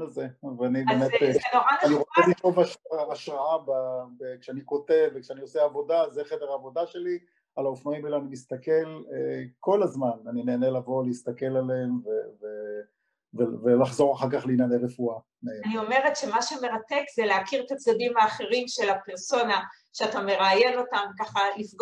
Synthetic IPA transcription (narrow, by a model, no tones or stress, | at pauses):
azeveanibemenoaaniʁot͡selitovaʃːʃʁaababekʃeaniko̞te̞vvːekʃeanioseavo̞dazeχedeʁaːvo̞daʃe̞li | alaofnaimelanimist̪ake̞leko̞lazmananineːnelavo̞leist̪ake̞lalemveve | vevelaχzo̞ʁaχaʁkaχliinaneʁefua | naenio̞me̞ʁetʃe̞maʃeme̞ʁat̪e̞kz̥eleakiʁt̪at͡sad̪imaːχeʁimʃe̞lapeʁso̞na | ʃeat̪ame̞ʁajeno̞tamkaχalifɡ